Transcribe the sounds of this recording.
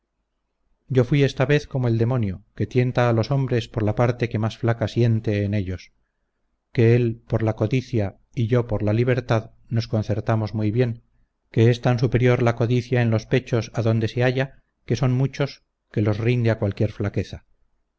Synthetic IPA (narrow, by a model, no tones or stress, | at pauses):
ɟ͡ʝo̞fwie̞st̪aβe̞θko̞moe̞ld̪e̞mo̞njoke̞t̪je̞nt̪aːlo̞so̞mbɾe̞spo̞ɾlapaɾt̪e̞ke̞masflakasje̞nt̪e̞ːne̞ʎo̞s | ke̞elpo̞ɾlako̞ðiθja | iʝo̞poɾlaliβ̞e̞ɾt̪að | no̞sko̞n̟θe̞ɾt̪amo̞zmujβje̞ŋ | ke̞est̪ansupe̞ɾjo̞ɾlako̞ðiθjae̞nlo̞spe̞t͡ʃo̞saðo̞nd̪e̞se̞aʝa | ke̞so̞nmut͡ʃo̞s | ke̞lo̞zrind̪eakwalkje̞ɾflake̞θa